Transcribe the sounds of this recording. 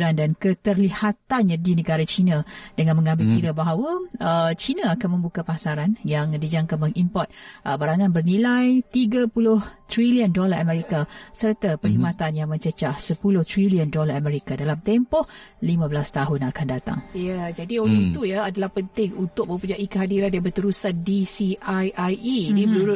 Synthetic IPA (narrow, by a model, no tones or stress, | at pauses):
ɾandankət̪ərlihat̪anɲadinəɡaɾat͡ʃinãdəŋãnməŋãmbɪlkiɾabaɦawaət͡ʃinaakanmə̃mbukapasaɾanjaŋdid͡ʒaŋkamə̃ŋʔimpɔrt̪̚ʔəbaɾaŋanbərnĩlajt̪iɡapulʊht̪ɾiliəndolaʔamɛ̃ɾikasərt̪apəɾimãt̪anjaŋmə̃ɲt͡ʃət͡ʃasəpulʊht̪ɾiliəndolaamɛ̃ɾikadalamt̪empɔhlimãbəlast̪aɦʊnakandat̪a̰ŋjad͡ʒadioleit̪ujaadalahpənt̪ɪŋunt̪ʊk̚mə̃mpud͡ʒaʔikəɦadiɾandjabərt̪əɾusandisiajʔajimdimənuɾʊ